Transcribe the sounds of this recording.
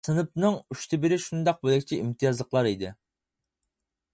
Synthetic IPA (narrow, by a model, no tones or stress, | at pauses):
sɨnɨp̚nɨŋyʃt̪ʰɪbɪɾɪʃund̪ɑq̚bolˠɛkʲʰt͡ʃʰiʔimt̪ʰijɑzlˠəqlˠɑɾid̪ɪ